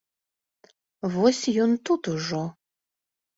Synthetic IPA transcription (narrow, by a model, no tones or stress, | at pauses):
vosʲjunt̪ʰut̪uʐo